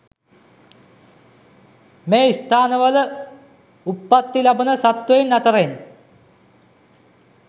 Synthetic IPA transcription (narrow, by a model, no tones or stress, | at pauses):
meːist̪ʰaːnɐʋɐl | upːɐt̪ːilɐbɐnɐsɐt̪ʋejnːɐt̪ɐren